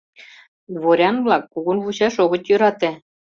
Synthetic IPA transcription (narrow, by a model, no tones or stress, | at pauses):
βoɾʲɑnβlˠɑkːuɣŭnβuɕɑʃoɣɤ̆t͡ɕjø̆ɾɑt̪ĕ